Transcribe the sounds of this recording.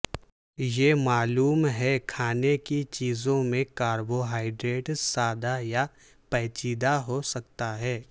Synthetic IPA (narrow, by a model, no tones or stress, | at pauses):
jeːmaːluːmɦɛkʰaːnekit͡ʃiːzõmẽkaːɾboɦaːɪɖɾeːʈsaːd̪aja | pɛːt͡ʃiːd̪aɦosɐk̚t̪aɦɛː